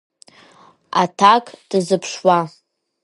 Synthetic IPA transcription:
a̰tʰakʼd̥ɨzɨpʰʂwa

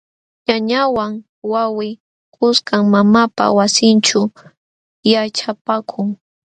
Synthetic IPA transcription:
ɲaɲawaŋ | wawɪ | kʰʊskaŋmamapa̰wasɪnt͡ʃʊ | jat͡ʃapakʰʊŋ

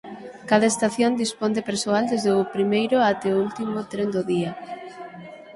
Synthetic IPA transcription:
kað̞aest̪aθjond̪ispond̪epeɾsoald̪ezðeʊpɾimejɾʊat̪ɛoult̪imʊt̪ɾend̪oðia

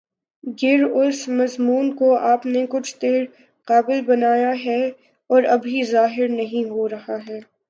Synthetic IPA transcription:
ɡɪɾʊsmɐzmuːnkoʔaːpnekʊt͡ʃʰt̪eːɾ | qaːbɪlbɐnaːjaɦɛ | ɔːɾɐbʱizaːɦɪɾnɐɦĩɦoɾɐɦaɦɛː

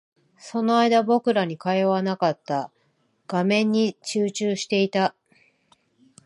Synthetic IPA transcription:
so̞no̞aid̪abo̞kɯ̟ɾaɲ̟ikaeβanakat̪ːa | ɡ̥amẽ̞ɲ̟ːit͡ɕɨːt͡ɕɨːɕi̥t̪e̞it̪a

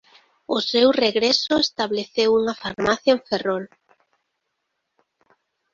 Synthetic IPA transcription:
ʊsewreɣɾesʊest̪aβleθewuŋafaɾmaθjaeɱferol

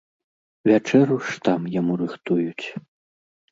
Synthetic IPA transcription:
vʲat͡ʂɛɾuʂt̪amjamuɾɨxt̪ujut͡sʲ

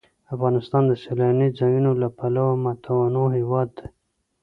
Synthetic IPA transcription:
afɣɑnɪst̪ɑnd̪əselanid͡zɑjunolapalawmat̪ʰawanoɦewɑd̪ːe

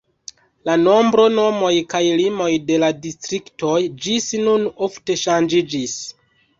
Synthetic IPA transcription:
lano̞mbɾo̞no̞mo̞jkajlimo̞jde̞ladistɾikto̞jd͡ʒisinuno̞fte̞ʃand͡ʒid͡ʒis

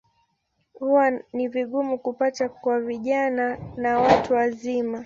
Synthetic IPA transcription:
huwaniviɠumukupatakwaviʄananawatuwazima

